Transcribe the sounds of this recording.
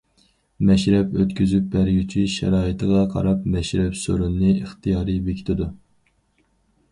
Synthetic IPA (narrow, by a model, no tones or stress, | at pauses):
mɛʃɾɛpøt̪kʲʰyzyp̚bæɾɡʲyt͡ʃʰiʃɛ̰ɾɑːit̪ʰɨʁɑqʰɑ̰ɾɑpmɛʃɾɛpsøɾunnɨəχt̪ʰijɑːɾɨbekʲʰi̥t̪ʰɪd̪u